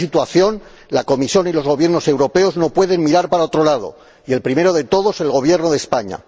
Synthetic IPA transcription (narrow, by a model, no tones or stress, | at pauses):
it̪waθjo̞n | lako̞misjo̞nilo̞zɣo̞β̞je̞ɾno̞se̞wɾo̞pe̞o̞zno̞pwe̞ðe̞ŋmiɾaɾpaɾaot̪ɾo̞laðo̰ | ie̞lpɾime̞ɾoð̞e̞t̪o̞ðo̞se̞lɣo̞β̞je̞ɾnoð̞e̞spaɲa̰